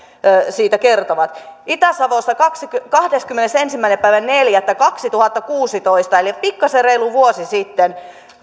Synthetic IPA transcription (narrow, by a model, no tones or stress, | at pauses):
siːt̪ækert̪oʋɑt̪ʔit̪æsɑʋosːɑkɑkskkɑhdeskymːenesensimːæinepæiʋænneljæt̪ːækɑksit̪uhɑt̪ːɑkuːsit̪oist̪ɑelipikːɑsereiluʋuosisit̪ːen